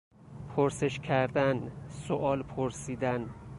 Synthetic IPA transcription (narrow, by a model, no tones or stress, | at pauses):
pʰoɾse̞ʃcʲʰæɾd̪ænsoʔɒːlpʰoɾsiːd̪æn